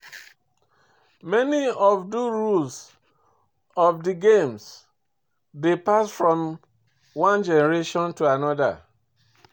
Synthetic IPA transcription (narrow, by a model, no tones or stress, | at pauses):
mɛniɔvduɹuls | ɔvdiɡẽms | depasfɹɔ̃m | wãnd͡ʒɛnɛɹeʃɔ̃ntuanɔda̰